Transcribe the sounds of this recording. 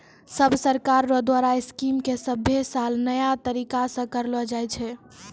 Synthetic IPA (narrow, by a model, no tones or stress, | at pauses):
səbʱsəɾkaɾːɔd̪waɾaiskimkesəbʱːesalnəjat̪əɾikasə̃kəɾlɔd͡ʒajt͡ʃʰɛ